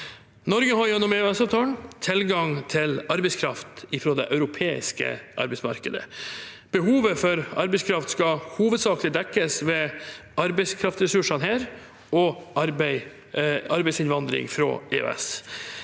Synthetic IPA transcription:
nɔɾɡəhɑɾjɛnːɔmɛøɛsɑːʋt̪ʰɑːləɳt̪ʰɪlɡɑŋt̪ʰɪlɑɾbɛɪskʰɾɑft̪ɪfɾoːd̪ɛʔœʉɾʊpʰeːɪ̰skə̰ʔɑ̰ɾbɛɪsmɑ̰ɾkəd̪ə̰ | b̥əɦuːʋəfɔɾɑɾbɛɪskʰɾɑft̪skɑhuːʋəd̪sɑːklɪd̪ɛkːəsʋɛɑɾbɛɪskʰɾɑft̪sɾɛsʉʂɑnɦæːɾ | ɔɑɾbæɪ | ɑɾbɛɪsɪnʋɑnd̪ɾɪ̰ŋfɾo̰ːḛø̰ɛ̰s

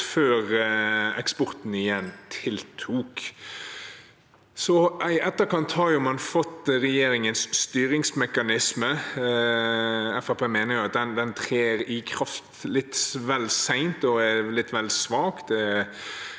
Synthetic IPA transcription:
føːɾɛkspɔɾt̪n̩ɪjɛnt̪ʰɪlt̪ʰuːk | sɔʔæɪʔɛt̪ːəɾkɑnt̪hɑɾjʊmɑnfɔt̪ːɾɛjeːɾɪŋənsːt̪yːɾɪŋsmɛkɑnɪsmə | ɛfɑpeːmeːnəɾjʊɑt̪̚d̪ɛnd̪ɛnt̪ʰʁeːɾɪkʰɾɑft̪lɪt̪sʋɛlsæɪnt̪ɔɛlɪt̪ːʋɛlsʋɑːkd̪ɛ

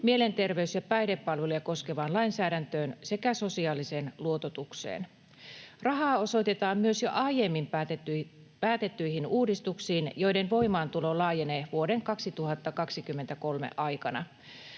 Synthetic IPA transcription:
mie̞le̞nt̪e̞rʋe̞ysjɑpæjdepːɑlʋelujɑko̞ske̞ʋɑːnlɑinsæːɾænt̪øːnse̞kæso̞siɑːlise̞ːnluo̞t̪ot̪uksḛːn | rɑɦɑːo̞so̞jt̪e̞t̪ɑːmmyøsjo̞̰ʔɑijemːim | pæːt̪e̞t̪ːyjɦinuːdist̪uksiːnjo̞jde̞nʋo̞imɑːnt̪ulo̞ːlɑːjeneʋuo̞de̞ŋkɑksit̪uhɑt̪ːɑkɑksikymːent̪æko̞lmḛʔɑjkɑnɑ

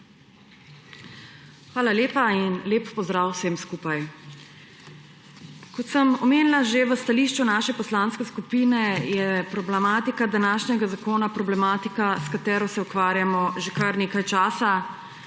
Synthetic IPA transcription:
xʋaːlaleːpainleːpːɔzd̪ɾaːwsemskuːpaj | kɔt̪səmɔmeːnlaʒeʋəst̪aliːʃt͡ʃunaːʃɛpɔslanskɛskupiːnɛjɛpɾɔblɛmaːt̪ikad̪anaːʃnɛɡazakoːnapɾɔblɛmaːt̪ikaskat̪ɛːɾɔsɛukʋaːɾjamɔʒekɐɾneːkajt͡ʃaːsa

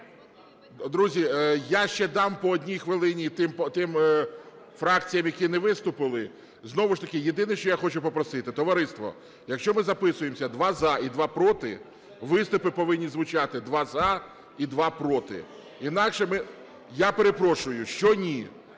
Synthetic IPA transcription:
d̪ɾuzʲijaʃt͡ʃɛd̪ɑmpɔːdʲnʲijxʋɪlˠɪnʲit̪ɪmpɔt̪ɪm | fɾɑkt͡sʲijɐmjɐkinɛʋɪst̪ʊpɪlˠɪ | znɔʋʊʃt̪ɐkɪjed̪ɪnɪʃt͡ʃɔjaxɔt͡ʃʊpɔpɾɔsɪt̪ɪt̪ɔʋɐɾɪst̪ʋɔ̰ | jɐkʃt͡ʃɔmɪzɐpɪsʊjemsʲɐd̪ʋɑzɐid̪ʋɑpɾɔt̪ɪ̰ | ʋɪst̪ʊpɪpɔʋɪnʲːizʋʊt͡ʃɑt̪ɪd̪ʋɑzɐ | id̪ʋɑpɾɔt̪ɪ̰ | inɑkʃɛmɪ | japeɾe̞pɾɔʃʊjʊʃt͡ʃɔnʲi

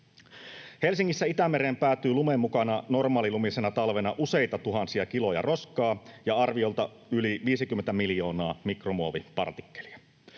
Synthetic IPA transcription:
he̞lsiŋːisːæit̪æmeɾempæːt̪ːˑyːlumemːukɑnɑno̞rmɑːlilumisenɑt̪ɑlʋe̞nɑʔuse̞jt̪ɑt̪uɦɑnsiɑkilo̞jɑ̰ro̞skɑːjɑɑrʋio̞lt̪ɑ | yliʋiːsik̟ymːent̪æmiljo̞ːnɑːmikromuoʋipɑ̰rt̪i̥kːeli̥ɑ

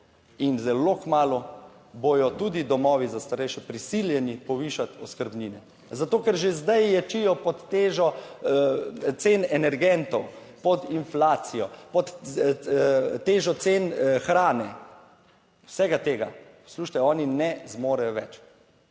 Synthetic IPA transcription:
inzɛloːkmaːlɔ | bojɔt̪uːd̪id̪ɔmɔːʋizast̪aɾɛjʃɛpɾisiljɛnipɔʋiːʃat̪ɔskəɾbniːnɛ | zat̪oːkɛɾʒezd̪ajjɛt͡ʃijɔpɔt̪ːeːʒɔ | t̪seːnɛnɛɾɡɛnt̪ɔwpɔd̪inflaːt̪sijɔpɔt̪ | t̪eːʒɔt̪seːnxɾaːnɛ | wsɛɡat̪eːɡapsluːʃt̪ɛɔːninɛzmoːɾajɔʋɛt͡ʃ

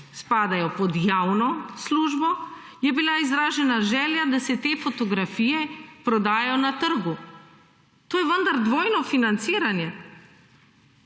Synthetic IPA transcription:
spaːd̪ajɔpɔd̪jawnɔsluːʒbɔ | jɛbilaizɾaːʒɛnaʒɛljad̪asɛt̪eːfot̪ɔɡɾafijɛpɾɔd̪aːjjɔnat̪əɾɡu | t̪oːjɛvənd̪aɾd̪ʋoːjnɔfinant̪siːɾanjɛ

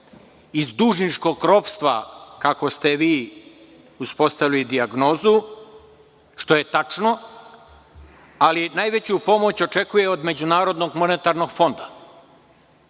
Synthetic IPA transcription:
izd̪uːʒnit͡ʃko̞ɡ̚kɾopst̪ʋa̰kako̞st̪eʋiː | uspo̞st̪aʋilid̪iaɡno̞ːzu | ʃt̪o̞je̞t̪at͡ʂno̞ | alinajʋe̞t͡ɕupo̞mo̞t͡ɕo̞t͡ʂe̞kuje̞od̪me̞d͡ʑunaːɾo̞d̪noɡmo̞net̪aɾno̞ɡ̥fo̞nd̪a

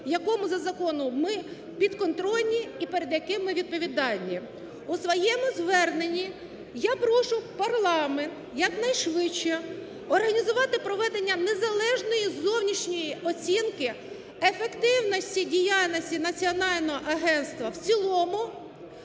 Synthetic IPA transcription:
jɐkɔmʊzɐzɐkɔnʊmɪ | pʲid̪kɔnt̪ɾɔlʲnʲiipeɾed̪jɐkɪmɪʋʲid̪̚pɔʋʲid̪ɑlʲːi | usʋɔjɛmʊzʋɛrnenʲːi | japɾɔʃʊpɐrlˠɑment̪jɐknɐjʃʋɪt͡ʃːɛ | ɔrɦɐnʲizʊʋɑt̪ɪpɾɔʋɛd̪enʲːɐne̞zɐlˠɛʒnɔjizɔwnʲit͡ʃnʲɔjiʔɔt͡sʲinkɪ | efekt̪ɪwnɔsʲtʲidʲijɑlʲnɔsʲtʲinɐt͡sʲiɔnɑlʲnɔɦɔʔɐɦɛnst̪ʋɐwt͡sʲilˠɔmʊ

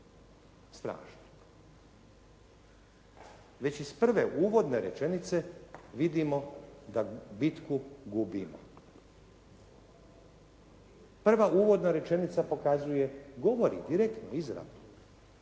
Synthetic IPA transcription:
st̪ɾa̰ːʃno | ʋe̞t͡ɕispr̩ʋe̞ʔuːʋo̞d̪ne̞ɾe̞̰t͡ʃe̞nit̪se̞ʋid̪imo̞d̪abit̪kuɡubimo̰ | pr̩ʋaʔuːʋo̞d̪naɾe̞t͡ʃe̞nit̪sapo̞kazuje̞ɡo̞ʋo̞ɾḭd̪iɾekt̪noizɾa̰d̪o

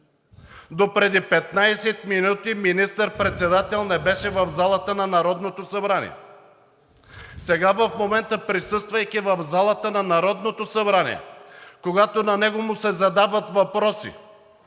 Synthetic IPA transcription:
d̪opɾɛd̪ipɛt̪̚najsɛt̪minut̪iminist̪əɾpɾɛt̪sɛd̪at̪ɛlˠnɛbɛʃɛvəvzalˠət̪ənɐnɐɾɔd̪not̪osɐbɾanḭɛ̰ | sɛɡavəfmomɛnt̪əpɾisɤst̪vɐjkivəvzalˠət̪ənɐnɐɾɔd̪not̪osɐbɾanḭɛ̰koɡat̪onɐnɛɡomʊsɛzɐd̪avət̪vɐpɾɔsḭ

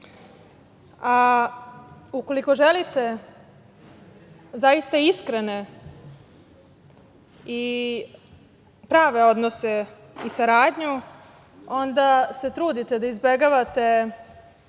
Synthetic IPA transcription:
a | uko̞liko̞ʒelit̪e̞ | zaist̪aiskɾene̞ | i | pɾaːʋe̞o̞d̪nose̞ | isaɾaːd̪ɲu | o̞nd̪ase̞t̪ɾuːd̪it̪e̞d̪aizbeɡaʋat̪e̞

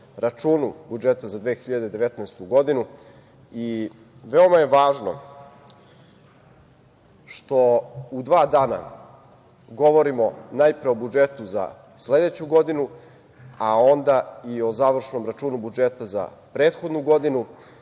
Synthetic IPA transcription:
ɾat͡ʃuːnubud͡ʒet̪azad̪ʋeːxiʎad̪e̞d̪e̞ʋet̪naest̪uɡo̞d̪inu | i | ʋeo̞maje̞ʋaːʒno̞̰ | ʃt̪o̞ud̪ʋaːd̪aːna̰ | ɡo̞ʋo̞ɾimo̞najpɾeo̞bud͡ʒet̪uza̰ | sle̞d̪e̞t͡ɕuɡo̞d̪inu | ao̞nd̪aio̞zaːʋr̩ʃno̞mɾat͡ʂuːnubud͡ʒet̪aza̰pɾeːt̪xod̪nuɡo̞d̪inu

